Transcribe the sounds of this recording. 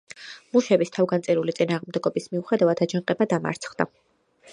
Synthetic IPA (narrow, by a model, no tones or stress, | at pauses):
muʃɛbist̪ʰavɡant̪sʼiɾulit̪sʼinaːʁmd̪ɛɡɔbismiuχɛd̪avad̪ad͡ʒanqʼɛbad̪ama̰ɾt̪sʰχd̪a